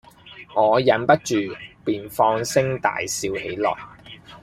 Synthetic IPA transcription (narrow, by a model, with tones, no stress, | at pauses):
ŋɔː˨˧jɐ˨˥npɐ˥t̚t͡ʃyː˨piː˨nfɔː˧ŋsɪ˥ŋt̪a̰ː˨jsiː˧whḛ˨˥jlɔ̰ː˨˩j